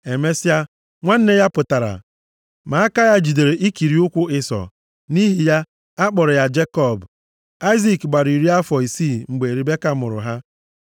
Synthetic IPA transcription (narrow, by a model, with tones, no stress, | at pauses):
e˨me˦si˦a˦ | ŋʷa˦n̩˦ne˦ja˦pʊ˨ta˨ɾa̰˨ | ma˨a˦ka˦ja˦d͡ʒi˨de˨ɾe˨ʔi˦ki˨ɾi˨ʊ˦kʷʊ˦ɪ˦sɔ̰˨ | ni˦ɦi˨ja˦ | a˦k͡pɔ˨ɾɔ˨ja˦d͡ʒe˦kɔ˦˨b | a˦ɪ˦zi˨kɡ͡ba˨ɾi˨ɾi˦a˦fɔ˨i˨si˦˨ŋ͡m̩˨ɡ͡be˨ɾi˨be˦ka˦˨mʊ˨ɾʊ̰˨ɦa˦